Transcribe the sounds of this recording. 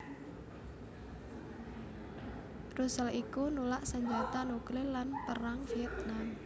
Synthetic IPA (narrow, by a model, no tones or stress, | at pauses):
rusəlikunulaʔsəɲd͡ʒat̪anuklɪlanpəɾaŋfiɛt̪̚nam